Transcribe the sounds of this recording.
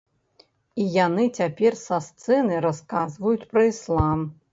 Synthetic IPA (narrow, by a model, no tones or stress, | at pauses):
ijanɨt͡sʲapʲɛrsast̪sɛnɨjɾaskazvɐjut͡sʲpɾɐislˠam